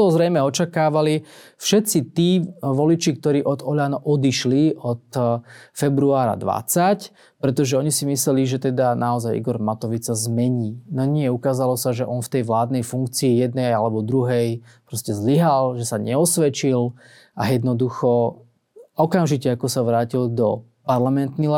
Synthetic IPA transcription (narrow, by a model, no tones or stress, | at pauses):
ɔzɾɛjmɛɔt͡ʃakaːʋali | fʃɛt̪t͡sit̪iːʋɔlit͡ʃik̚t̪ɔɾiːʔɔd̪ɔʎaːnaʔɔd̪iʃliɔt̪fɛbɾuaːɾa̰d̪ʋa̰t͡sac | pɾɛt̪ɔʒɛɔɲisimislɛliʒɛt̪ɛd̪anaɔzajiɡɔɾmat̪ɔʋit͡sːazmɛɲiːnɔɲɪɛukaːzalɔsaʒɛʔɔnft̪ɛjʋlaːd̪nɛjfuŋk̚t͡siːjɛd̪̚nɛjjalɛbɔd̪ɾuɦɛj | pɾɔscɛzliɦalʒɛsaɲɛɔsʋɛt͡ʃil | ʔajɛd̪nɔd̪uxɔ | ɔkamʒicɛakɔsaʋɾaːcild̪ɔ | paɾlamɛnt̪nil